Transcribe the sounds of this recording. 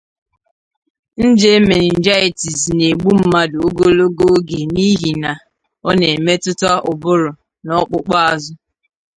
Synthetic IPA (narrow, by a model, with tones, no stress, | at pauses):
n̩˦d͡ʒe˦me˨nɪ˨n̩˨d͡ʒa˦i˨ti˨zne˨ɡ͡bu˦m̩˦ma˦do˨o˦ɡo˦lo˦ɡo˦ɡe˨ni˦ɦi˨na˨ | ɔ˦ne˨e˨me˦tʊ˦tɔ˦ʊ˨bʊ˦ɾʊ˨ | nɔ˦k͡pʊ˦k͡pɔ˦a˨zʊ˦